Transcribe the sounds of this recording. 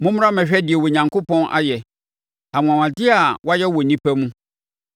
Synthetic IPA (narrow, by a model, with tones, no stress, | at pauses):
mʊ̃˦mʊ̃˦ã˦mɛ̃˨ɕᶣɛ˦dɪ˨ɛ˨wo˨ɲã˨ŋko˦pɔ̃˦nʔa̰˦jɛ˨ | a˨mʊ̃˨a˨wã˨dɪ˦a˨wɔ˦a˦jɛ˦wɔ˨nĩ˦pɛ˦mũ˦